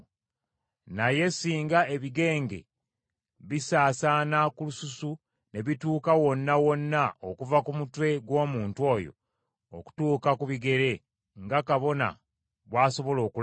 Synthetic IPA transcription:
naje̞siːŋɡae̞βiɡe̞ːŋɡe̞̰ | βisaːsaːnakulususu | ne̞βituːkawo̞nːawo̞nːaokuvakumutwe̞ɡwo̞ːmuːntwo̞jo̞̰ | oku̥tuːkakuβiɡe̞ɾe̞ | ŋɡakaβo̞na̰ | βwaːso̞βo̞lo̞ːkul

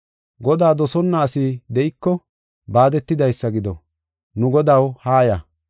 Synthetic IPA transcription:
ɡɔd̪aːd̪ɔsɔnːaːsiːd̪ɛʔɪkːɔ | baːd̪ɛt̪ːɪd̪ɐjsːɐɡɪd̪ɔ | nʊɡɔd̪ɐwhaːjɐ

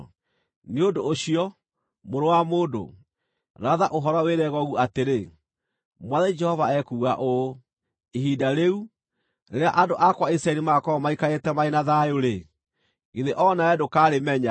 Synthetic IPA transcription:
neodoːɕiɔ | moɾowamoːdo̰ | ɾaðaʔoɦɔɾɔweɾɛɣɔɣuateɾe | mwaðɛid͡ʒɛhɔvaɛkuːɣa̰ʔo | iɦidaɾeu | neɾeaʔadoʔakwaisɾaɛɾimakɔmaikaetɛmaenaðajoɾe | iðeʔɔnaɛdokaːɾemɛɲa

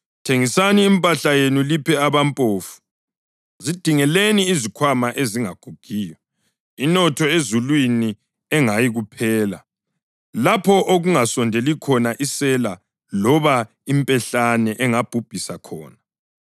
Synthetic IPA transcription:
tʰeŋisaniːmpʼaɬajenulipʰɛaβampʼoːfu̥ | zid̥ʱiŋɛleniːzikʰwamaʔeziŋaɡ̥ʱuɡ̥ʱiːjɔ | inɔtʰɔezulwini | ɛŋajiɣupʰɛːla | lapʰɔʔoɣuŋasɔndʱelikʰɔnaʔisɛla | lɔβa | impʼɛɬanɛʔɛŋab̥ʱub̥ʱisakʰɔ̰ːna

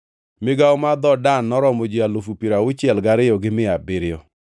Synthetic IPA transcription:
mɪɡaɔmad̪ɔdanːɔɾɔmod͡ʒialofupiɾaʊt͡ʃɪɛlɡaɾɪjɔɡɪmɪabɪɾɪjɔ

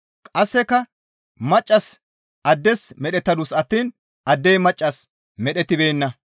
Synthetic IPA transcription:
kʼɐsːɛkːɐ | mɐt͡ʃʼːɐs | ʔɐd̪ːɛsmɛɗɛt̪ːɐd̪ʊsɐt̪ːiːn | ʔɐd̪ːejmɐt͡ʃʼːɐs | mɛɗɛt̪ːɪbeːnːɐ

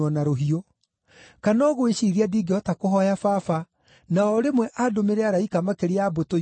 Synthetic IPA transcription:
ɔnaɾoɦio | kanɔːɣoeɕiɾiadiːɡeɔtakoɦɔjafafa | naɔɾemwɛʔadomeɾɛaɾaikamakeɾeaboto

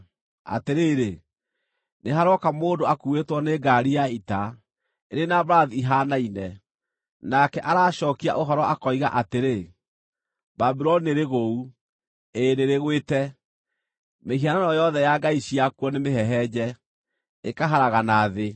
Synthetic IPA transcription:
a̰teɾeːɾe | neɦaɾɔkamoːdoakuetwɔneɡaɾijaita | eɾenabɾaðiɦanainɛ | nakɛʔaɾaːʃɔːkia̰ʔoɦɔɾɔʔakɔiɣaʔateɾe | babiɾɔnieɾeɣou | eɾeɾeɣweːtɛ | mehiananɔjɔðɛjaɡaiɕiakwɔnemeɦɛɦɛd͡ʑɛ | ekaɦaɾaɣanaðe

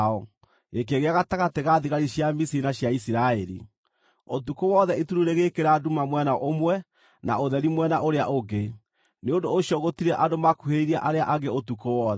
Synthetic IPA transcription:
ɔ | ek̬eɣeaɣataɣateɣaðiɣaɾiɕjamisiɾinaɕjaisiɾaɛɾḭ | otukowɔðɛituɾuɾeɣekeɾadumamwɛnaʔomwɛ | na̰oðɛɾimwɛnaʔoɾeaʔoɡe | neondoːɕjɔɣotiɾɛʔadomakuheɾiɾiaʔaɾeaʔaɣeotukowɔðɛ

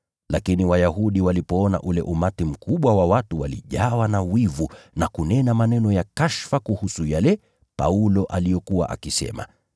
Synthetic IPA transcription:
lakiniwajahuɗiwalipɔɔna̰ʔulɛ̰ʔumatim̩kuɓwawawatuwalḭʄawanawivunakunɛnamanɛnɔjakaʃfakuhusujalɛ | pa̰ulɔʔalijɔkuwa̰ʔa̰kisɛ̰ma̰

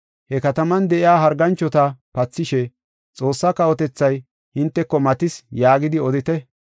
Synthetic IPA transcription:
hɛkɐt̪ɐmɐnd̪ɛʔɪaːɦɐɾɡɐnt͡ʃːɔt̪ɐpɐt͡sːɪʃɛ | t͡sʼo̞ːsːɐkɐɔt̪ɛt͡sːɐj | hɪnt̪ːɛkːɔmɐt̪ɪsjaːɡɪd̪ɪɔd̪ɪt̪ɛ

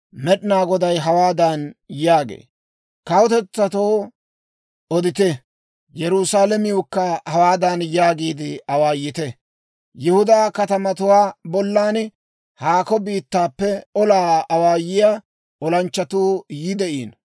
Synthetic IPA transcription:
mɛɗɪnaːɡɔd̪ɐjɦɐwaːd̪ɐnjaːɡḛː | kɐwʊt̪ɛt͡sːɐt̪oː | ɔd̪ɪt̪ɛ | jɛɾusaːlɛmɪʊkːɐhɐwaːd̪ɐnjaːɡiːd̪ɪɐwaːjːɪt̪ɛ | jɪhʊd̪aːkɐt̪ɐmɐt̪ʊwaːbɔlːaːn | haːkɔbiːt̪ːaːpːɛɔlaːɐwaːjɪja | ɔlɐnt͡ʃːɐt̪uːjɪd̪ɛʔiːn

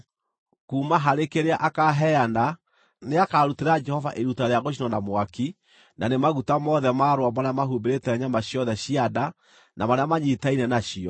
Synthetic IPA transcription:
kuːmaɦaɾekeɾeaʔakaɦɛana | neakaːɾuteɾad͡ʒɛhɔvaʔeɾutaɾeaɣoʃ̬inɔnamwaki | nanemaɣutamɔðɛmaːɾwamaɾamaɦubeɾetɛɛɲamaɕjɔðɛɕiada | namaɾeamaɲitainɛnaɕiɔ

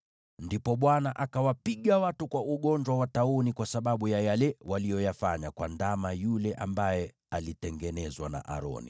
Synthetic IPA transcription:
ndipɔɓwanaʔakawapiɠawatukwaʔuɠɔɲd͡ʒwawataunikwasaɓaɓujajalɛwalijɔjafaɲakwandamajulɛʔambajɛ | alitɛŋɡɛnɛzwana̰ʔa̰ɾɔ̰nḭ

